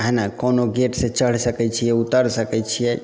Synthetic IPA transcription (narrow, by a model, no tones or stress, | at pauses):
ɦɛnakonoɡeʈsẽt͡ʃəɽ̤səkɛt͡ʃʰijɛut̪əɾsəkɛt͡ʃʰijɛ